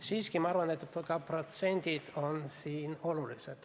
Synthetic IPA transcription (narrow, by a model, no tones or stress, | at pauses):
siːskimɑɑrvɑnet̪ːkɑprot̪se̞nd̪̥id̪̥o̞nsiːno̞luliset̪